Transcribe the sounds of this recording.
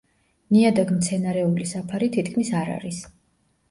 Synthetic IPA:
niad̪aɡmt̪sʰɛnaɾɛulisapʰaɾit̪ʰit̪̚ʰkʰmisaɾa̰ɾis

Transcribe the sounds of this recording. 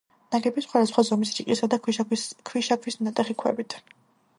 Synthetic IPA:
naɡɛbisχwad̪asχwazɔmisɾiqʼisad̪akʰikʰwiʃakʰwisnat̪ʼɛχikʰwɛ̰bit̪ʰ

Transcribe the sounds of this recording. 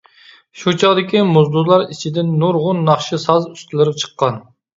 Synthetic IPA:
ʃut͡ʃʰɑʁd̪ɪkʲimuzd̪ʊzlˠɑɾit͡ʃʰid̪ɪnːuɾʁʊnːɑχʃɨsɑzyst̪ʰɪlˠɪɾp̚t͡ʃʰə̥qʰːɑn

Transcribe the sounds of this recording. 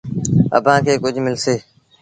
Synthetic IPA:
ə̰bʱãːkʰeːkʊd͡ʒʱmɪlseː

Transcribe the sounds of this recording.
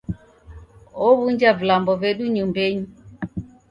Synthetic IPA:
ɔβuɲd͡ʒavulambɔvɛɗuɲumbɛɲi

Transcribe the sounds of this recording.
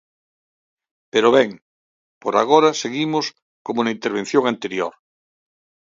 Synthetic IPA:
peɾoβɛŋ | poɾa̰ɣoɾɐseɣimos | komunɐint̪eɾβ̞ẽn̟θjõŋant̪eɾjo̰ɾ

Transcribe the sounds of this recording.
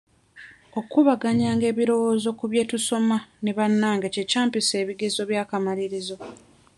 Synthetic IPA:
o̞kuβaɡaɲaːŋɡe̞ːβiɾo̞wo̞ːzo̞kuβje̞ːtuso̞maneβanːaːŋɡece̞caːmpise̞ːβiɡezo̞βjaːkamaɾiɾizo̞

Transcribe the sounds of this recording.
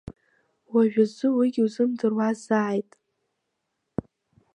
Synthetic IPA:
waʒᶣazɨwiɡʲiwzɨmdɨrwazaːjtʼ

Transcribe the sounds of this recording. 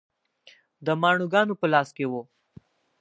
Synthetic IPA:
d̪əmɑːɳuɡɑnopəlɑːskewo

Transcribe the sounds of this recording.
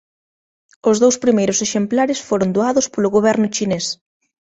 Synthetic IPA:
ʊzðowspɾimejɾʊseʃemplaɾɪsfoɾʊnd̪oaðʊspolʊɣoβɛɾnʊt͡ʃines

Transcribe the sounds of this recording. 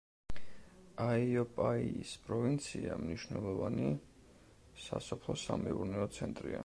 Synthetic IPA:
aiɔpʼaiːspʼɾɔvint̪sʰiamniʃvnɛlˠɔvani | sasɔpʰlˠɔsamɛuɾnɛɔt̪sʰɛnt̪ʼɾia

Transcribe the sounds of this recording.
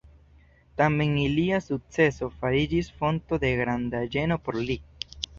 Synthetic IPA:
tame̞ŋiliasuk̚t͡se̞so̞faɾid͡ʒisfo̞nto̞de̞ɡɾandad͡ʒe̞no̞po̞ɾli

